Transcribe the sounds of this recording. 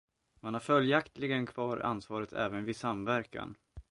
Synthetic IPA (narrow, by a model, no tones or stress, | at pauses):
manhaɾfœljakt̪lɪɡənkʰvɑːɾa̰nsvɑːɾət̪ʰɛ̰ːvənvɪsamvæɾka̰n